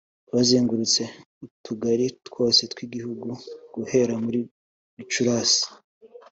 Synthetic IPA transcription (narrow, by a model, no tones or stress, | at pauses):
βaziːŋɡuɾut͡se̞ | utʰuɡaɾitkwo̞ːse̞tkwiːɡihuɡuɡ̥uhe̞ɾamuɾi | t͡ʃuɾaːsi̥